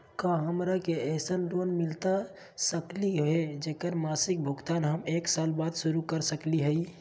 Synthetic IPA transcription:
kaɦəmɾakeɛsənɾonmilt̪a | səkliɦɦed͡ʒekəɾmasik̚bʱuɡt̪anɦəmeksalbad̪suɾukəɾsəkliɦəi

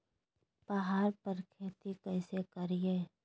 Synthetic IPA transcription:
pɐɦaːɾpəɾkʰeːt̪ikɛːsekɐɾiɦeː

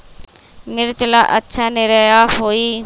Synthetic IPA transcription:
mɪɾt͡ʃəla̰ːʔətːʃʰaːneːɾəjaːɦoːiː

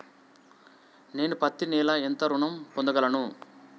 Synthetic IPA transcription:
ne̞ːnupɐt̪ːinɛːlɐent̪ɐɾuɳɐmpond̪ɐɡɐlɐnu

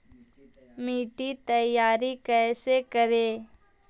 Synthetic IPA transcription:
miːʈit̪əjaːɾikɛːsekəɾeː

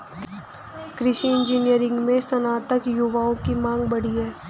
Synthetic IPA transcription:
kɾɪʃiɪ̃nd͡ʒiːnijəɾɪ̃ŋɡmẽsɐnaːt̪əkjʊʋaːõkimãːŋɡ̚bɐɽ̤iɦɛː

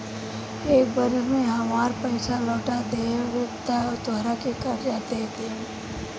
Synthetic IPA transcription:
eːk̚bəɾəmẽɦɐmaːɾpɛɪsalɔːʈad̪eːʋet̪at̪aːɾakikaːɾjat̪eːt̪ẽ

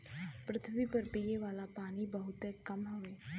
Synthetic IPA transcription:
pɾət̪ʰʋipəɾpijeʋalapaɽ̃iːbəɦut̪ekːəmɦəʋe

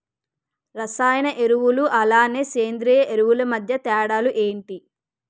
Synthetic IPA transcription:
ɾɐsaːjɐnɐʔe̞ɾuʋuluʔɐlaːne̞ːseːnd̪ɾiːjɐʔe̞ɾuwulɐmɐd̪ʱjɐt̪ɛːɽaːluʔeːɳʈi

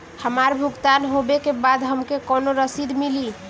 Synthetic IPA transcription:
həmaɾbʱuɡt̪anɦobekebad̪ɦəmkekonoɾəsid̪mili

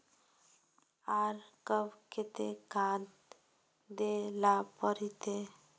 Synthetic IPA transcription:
aɾkəbket̪ekãd̪ | d̪elapəɾit̪e

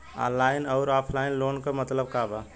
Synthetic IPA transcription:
a̰laːɪnɔʊɾaːpʰlaɪnloːnkəmət̪ləb̚kaba

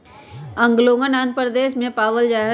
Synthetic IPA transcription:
ɐ̃ŋɡlõːŋɡənaːnpəɾd̪eːʃmẽpaːʋəld͡ʒaːɦ

